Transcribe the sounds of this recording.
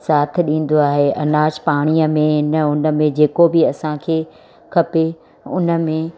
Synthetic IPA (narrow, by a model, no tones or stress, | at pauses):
saːt̪ʰɗĩːn̆d̪oaːɦeʔɐnaːʃpaːɽ̃iːə̆mẽɦɪnəʊnə̆mẽd͡ʑeːkobɪɐsãkʰeː | kʰɐpe | ʊ̰nə̆mẽ